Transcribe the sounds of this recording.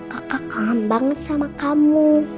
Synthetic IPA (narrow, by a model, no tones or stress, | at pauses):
kakakambaŋət̪̚samakamu